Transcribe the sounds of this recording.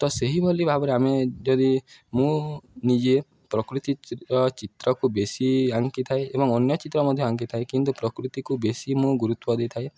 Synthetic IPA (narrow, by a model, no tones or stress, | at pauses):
t̪ɔseɦibolibʱabɔɾeamed͡ʒɔd̪imũnid͡ʒe | pɾɔkɾut̪iɔt͡ʃit̪ɾɔkubesiaŋkit̪ʰaeebɔŋɔnjɔt͡ʃit̪ɾɔmɔd̪ʱjɔaŋkit̪ʰaekint̪upɾɔkɾut̪ikubesimũɡuɾut̪wɔd̪ejt̪ʰae